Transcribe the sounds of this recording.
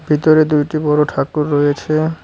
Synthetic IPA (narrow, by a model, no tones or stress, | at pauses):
bʱit̪oɾed̪ujʈibɔɾoʈʰakuɾːɔjet͡ɕʰe